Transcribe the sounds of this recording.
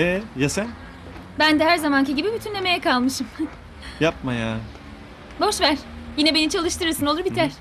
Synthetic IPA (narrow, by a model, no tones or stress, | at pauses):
ɛjasæn | bænd̪ɛɦæɾzamanciɟibibyt̪ʰynlʲeme̞jɛkalˠmɯʃɯm | jap̚maja | bo̞ʃvæɾ̥jinɛbe̞nit͡ʃʰalˠɯʃt̪ɯɾɯɾsɯno̞lˠuɾbit̪ʰæɾ̥